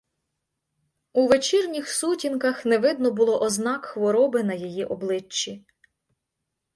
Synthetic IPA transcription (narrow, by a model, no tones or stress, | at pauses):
uʋet͡ʃirnʲixsutʲinkɐxneʋɪd̪nɔbʊlˠɔʔɔznɑkxʋɔɾɔbɪnɐjijiʔɔblˠɪt͡ʃːi